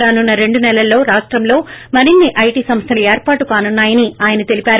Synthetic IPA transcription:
aːnunːɐɾe̞ɳɖunɛlɐlːo̞ːɾaːʂʈɾɐmlo̞ːmɐɾinːiʔɐjʈiːsɐmst̪ʰɐlɐeːɾpaːʈukaːnunːaːjɐniaːjɐnɐt̪e̞lipʲaːɾu

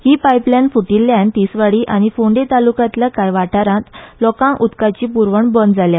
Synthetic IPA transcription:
hiːpajplanfuʈilːjant̪isʋaɽiːʔaɽ̃ifoɳɖet̪alukãt̪lakajʋaʈʰaɾãt̪lɔkãʔut̪kat͡ɕiːpuɾʋəɳbɔnd͡zalja

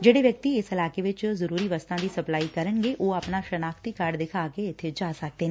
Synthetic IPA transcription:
d͡ʒeːɽeʋjɐk̚t̪iɪsɐlaːkeʋɪt͡ʃzɐɾuːɾiʋɐst̪ʰãd̪isɐplaːikɐɾənɡeʔoːɐpnaʃɐnaːkt̪ikaːɾɖd̪ɪkʰaːkeɪt̪ʰed͡ʒaːsɐk̚t̪eɦɛ̃

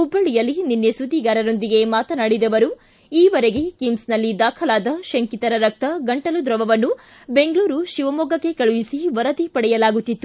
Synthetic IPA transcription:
ubːɐɭijɐlːininːesud̪iːɡaːɾɐɾo̞nd̪iɡe̞maːt̪ɐnaɽid̪ɐʋɐɾu | iːʋɐɾeɡe̞kimsnɐlːid̪aːkʰɐlaːd̪ɐʃɐŋkit̪ɐɾɐɾɐk̚t̪ɐɡɐɳʈɐlud̪ɾɐʋɐʋɐnːu | be̞ŋɡɭuːɾuʃiʋɐmɔːɡɐkːe̞kɐɭuʋisiʋɐɾɐd̪ipɐɽɛjɐlaːɡut̪ːit̪ːu

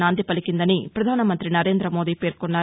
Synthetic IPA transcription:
aːnd̪ipɐlikind̪ɐnipɾɐd̪ʱaːnɐmɐnt̪ɾinɐɾe̞ːnd̪ɾɐmoːd̪iːpe̞ːɾkonːaː

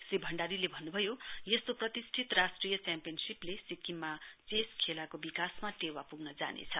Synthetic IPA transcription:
sribʱʌɳɖaɾilebʱʌnːubʱʌjojest̪oprʌt̪isʈʰit̪rasʈrijʌt͡sampijʌnsiplesikimːat͡seskʰelakobikasmaʈewapuɡnʌd͡za̰nḛt͡sʰʌ

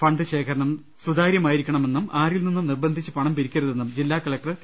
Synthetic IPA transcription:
fɐɳɖɨɕe̞ːkʰɐɾɐɳɐm | sud̪aːɾjɐmaːjiɾikʲːɐɳɐme̞nːumaːrilninːumnirbɐnd̪ʱit͡ɕːɨpɐɳɐmpiɾikʲːuɾɐðe̞nːumd͡ʑilːaːkɐɭɐk̚ʈrɐ

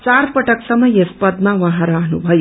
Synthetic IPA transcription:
t͡ʃaɾpʌʈɐksɐmʌjespɐd̪maʋɐɦãɾaɦnṵbʱʌju

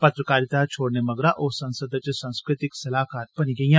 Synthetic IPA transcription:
pət̪ɾəkaɾit̪at͡ɕʰoɽneməɡɾaʔosə̃ñsəd̪at͡sesãw̃skɾit̪iksɐlakaɾpəniɡĩja

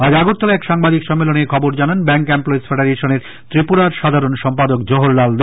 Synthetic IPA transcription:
ad͡ʑaɡoɾt̪ːɔleɛkʃaŋbad̪ikʃɔmːelonekʰɔboɾd͡ʑananbɛŋkemploetsfeɖaɾeʃoneɾ | t̪ɾipuɾaɾʃad̪ʱaɾonʃɔmpad̪ok̚d͡ʑoɦoɾlald̪

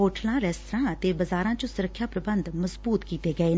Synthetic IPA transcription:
ɦoːʈlãːɾɛːst̪əɾãːət̪eːbəzaːɾãːt͡ʃõːsʊɾəkʰːjaːpɾəbənd̪məzbuːt̪kiːt̪eːɡəeː

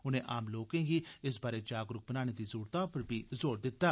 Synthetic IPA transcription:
ʊnẽːʔaːmloːkẽːɡiːɪs̬baːɾed͡ʒaːɡɾʊk̚bənaːneːd̪iːzʊːɾt̪ãːpəɾbʱiːzoːɾd̪ɪt̪ːaː

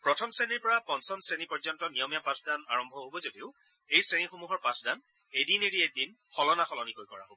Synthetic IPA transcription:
pɹɔtʰɔmseniɹpɔɹapɔnsɔnsɹenipɔɹzɔntɔnijɔmijapãsʰdanaɹɔmbʱɔɦobɔzodiʊ | ejsɹenixomuɦɔɹpãsdan | edineɹiedin | xɔlɔnaxɔlɔnikojkɔɹa̰ɦobɔ

